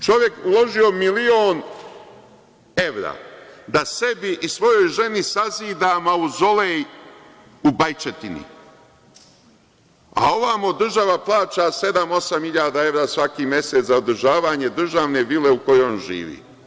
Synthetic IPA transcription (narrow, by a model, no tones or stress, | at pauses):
t͡ʃo̞ʋje̞kulo̞ʒio̞milioːn | e̞ʋɾa̰ːd̪ase̞biʔisʋo̞jo̞jʒe̞nisaziːd̪aːmauzo̞le | ubajt͡ʃet̪inḭ | a̰o̞ʋamod̪r̩ʒaʋaplˠaːt͡ʃase̞d̪amo̞samhiʎaːd̪ae̞ʋɾaːsʋakiːmje̞set̪zaod̪r̩ʒaːʋaːɲe̞d̪r̩ʒaʋne̞ʋile̞uko̞jonʒḭːʋḭː